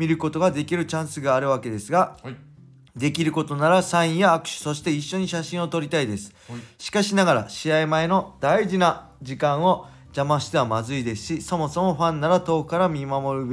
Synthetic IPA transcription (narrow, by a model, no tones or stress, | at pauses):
mʲiɾɯ̟ko̞t̪o̞ɡad̪e̞kʲiɾɯ̟t͡ɕãɰ̃sɨɡaːɾɯ̟βake̞d̪e̞sɨɡa | d̪e̞kʲiɾɯ̟ko̞t̪o̞naɾasãɰ̃ĩjaːkɯ̟̥ɕi̥so̞ɕi̥t̪e̞iɕːo̞ɲ̟iɕaɕĩɰ̃o̞t̪o̞ɾʲit̪aid̪e̞sɨ̥ɕi̥kaɕinaɡaɾa̰ɕiaimae̞nod̪aiʑina | d͡ʑikãɰ̃o̞ | d͡ʑamaɕi̥t̪e̞amazɨid̪e̞sɨ̥ɕiso̞mo̞so̞mo̞ɸãnːaɾat̪o̞ːkɯ̥kaɾamʲimamo̞ɾɯ̟b